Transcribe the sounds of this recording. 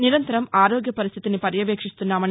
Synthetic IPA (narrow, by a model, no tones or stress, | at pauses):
niɾɐnt̪ɐɾɐmaːɾoːɡjɐpɐɾist̪ʰi̥t̪inipɐɾjɐʋeːkʂist̪unːaːmɐn